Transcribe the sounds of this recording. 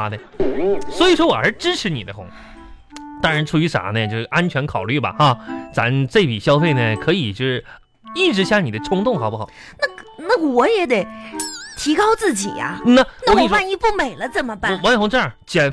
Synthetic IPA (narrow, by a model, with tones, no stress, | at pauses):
a˥d̪ə˧ | swɔ˧˥i˨˩ʂwɔ˥wɔ˨˩xə˞˧˥ɻ̩˥˧ʈ͡ʂɻ̩˥ʈ͡ʂʰɻ̩˧˥ni˨˩d̪ə˦˥xʊ˧˥ŋ | t̪ɑ˥ŋɻa˧˥nʈ͡ʂʰu˧˥y˧˥ʂa̰˨˩˦nə˥˧t͡ɕjo˥˧ʊʂɻ̩˧˩ʔa˥nt͡ɕʰɥɛ˧˥nkʰɑ˨˩ʊly˥˩bɐ̰˩xa˥˧t͡sa̰˧˥nt͡se˥˩ɪpi˨˩ɕjɑ˥ʊfe˥˩ɪnə˩kʰɤ˧˥i˨˩t͡ɕjo˥˧ʂɻ̩˥˩ | i˥˩ʈ͡ʂɻ̩˧˥ɕja˥˩ni˨˩ə˦ʈ͡ʂʰʊ˥ŋt̪ʊ˥˩ŋxɑ˨˩˦pu˥xɑ˨˩˦ | na˥˩˧na˥˩wɔ˨˥jɛ˧˥d̪e˨˩ɪt̪ʰi˧˥kɑ˥ʊt͡sɹ̩˥˩t͡ɕḭ˨˩ɐ̰˦˧na˥˩na˥˧˩i˥˩ʂwa˥˧ni˥pu˥˩me˨˩ɪlə˦t͡sə˥˩nmə˦pa˥˩wa˧˥n˧xʊ˧˥ŋʈ͡ʂːt͡ɕjɛ˨˩n